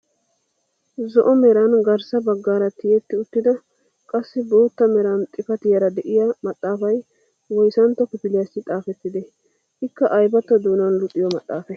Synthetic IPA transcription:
zɔʔɔmɛɾɐnɡɐɾsɐbɐɡːaːɾɐt̪ɪjɛt̪ːɪʊt̪ːɪd̪ɐ | kʼɐsːɪboːt̪ːɐmɛɾɐnt̪ʼɪfɐt̪ɪjɐɾɐd̪ɛʔɪjɐmɐt̪ʼːaːfɐj | wɔjsɐnt̪ːɔpɪpɪlɪjɐsːɪt̪ʼaːfɛt̪ːɪd̪ɛ | ʔɪkːɐʔɐjbɐt̪ːɐd̪uːnɐnlʊt̪ʼːɪjɔmɐt̪ʼːaːfɛ

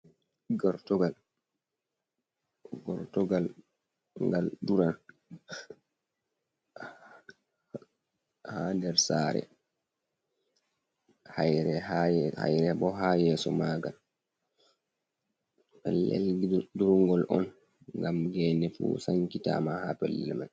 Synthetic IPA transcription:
ɡɔɾtɔɡal | ɡɔɾtɔɡal | ŋɡalduɾan | handɛɾsaɾɛ̰ | hajɾɛhaha̰jɾɛbɔɦajɛːsɔmaːɡal | pɛlːɛ̰lɡduɾŋɡɔlʔɔn | ŋɡamɡɛnɛfṵsaŋkita̰mahapɛlːɛ̰lma̰n

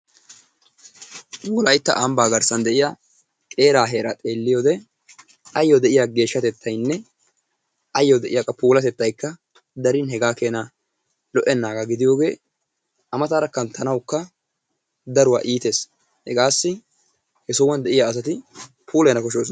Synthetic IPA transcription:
wuɔlɐjɪt̪ːɐ̰ʔɐmbaːɡɐɾsɐnd̪ɛʔɪja | kʼe̞ːɾaːɦeːɾɐt̪ʼe̞ːlːɪjoːd̪ɛ | ʔɐjːod̪ɛʔɪjaɡe̞ːʃːɐt̪ɛt̪ʰːɐjnːɛ | ʔɐjːɔd̪ɛʔɪjakːɐpuːlɐt̪ɛt̪ːɐjkːɐ | d̪ɐɾɪnɦɛɡaːkeːnɐ | lɔʔɛnːaːɡaɡɪd̪ɪjo̞ːɡe̞ː | ʔɐmɐt̪aːɾɐkːɐnt̪ʰɐnɐwkːɐ | d̪ɐɾʊwa̰ːʔiːt̪eːs | hɛɡaːsːɪ | hɛsɔwɐnd̪ɛʔɪjaːs̬ɐt̪ɪ | pʰuːlɛnɐkɔʃoːsɔ

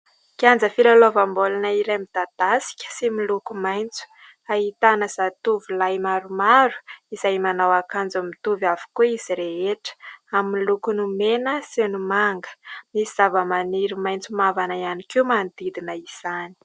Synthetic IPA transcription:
kiand͡zəfilalovambolanaiɾemid̪̥ad̪̥asi̥kʲə̥similukumajnt͡su̥ | aɦit̪anəzat̪uvilajmaɾumaɾu̥izajmanawakand͡zumit̪uvavu̥kuiz̥iɾeeʈ͡ʂə̥amːilukunumenəsenumaŋɡə̥misiz̥avəmaniɾimajnt͡sumavanaianikimand̪id̪inəiz̥ani̥

